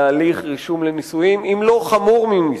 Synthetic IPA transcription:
aːliχʁiʃumlenisujimimlo̞χamuʁmimi

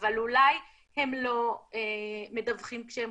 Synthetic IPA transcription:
valulaj | he̞mlo̞eme̞davχimkʃeem

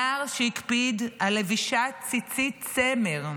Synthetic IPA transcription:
aʁʃeikpid̪aleviʃatt͡sit͡sit̪t͡semeʁ

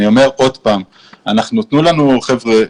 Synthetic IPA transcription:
io̞me̞ʁo̞dpaːm | anaχnunt̪nulanuχevʁe

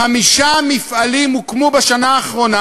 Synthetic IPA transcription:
amiʃamifʔalimukmobeʃanaːχʁo̞na

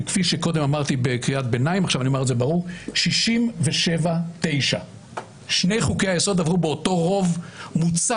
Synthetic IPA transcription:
kfiʃeko̞d̪e̞mamaʁt̪ibekʁiat̚be̞naimaχʃavanioaʁetzebaʁuʁʃiʃimveʃevat̪e̞jʃa | ʃne̞jχukejajeso̞d̪avʁubeoto̞ʁo̞vmut͡sa

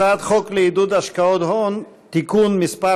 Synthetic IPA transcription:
ad̪χɔkleid̪ud̪aʃkaɔd̪hɔɔn | t̪ikʰunmispa

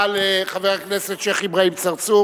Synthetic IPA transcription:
leχaveʁaknesetʃeχibʁaimt͡saʁt͡su

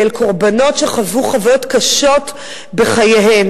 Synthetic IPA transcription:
elkʰo̞ʁbano̞tʃeχavuχavajotkaʃo̞t | be̞χajeɦem

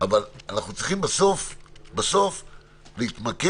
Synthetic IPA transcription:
avalanaχnut͡sʁiχimbaso̞fbaso̞f | leit̪make

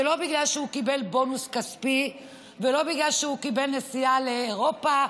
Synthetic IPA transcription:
elo̞biɡlalʃehukibe̞lbo̞nuskaspi | velo̞biɡlalʃehukibelnesialeːʁo̞pa

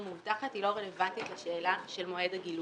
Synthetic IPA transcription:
muvtaχatilo̞ʁelevant̪itlaʃeːlaʃe̞lmoe̞d̪aɡil

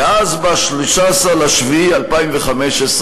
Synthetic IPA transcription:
azbaʃliʃasaʁlaʃvialpaimveχameʃes

